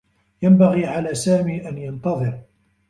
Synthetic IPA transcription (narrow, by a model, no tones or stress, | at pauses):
jambaɣiːʕalaːsaːmiːʔanjɑnt̪ɑðˤɨɾ